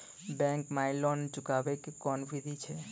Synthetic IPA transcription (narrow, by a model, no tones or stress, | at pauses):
bɛ̃ŋkmailɔnt͡ʃʊkaʋekekɔnʋid̪ʱit͡ʃʰe